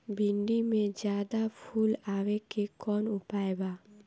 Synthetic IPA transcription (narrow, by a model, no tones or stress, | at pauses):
bʱiɳɖimẽd͡ʒjaːd̪apʰulaːwekekɔnʊpaeba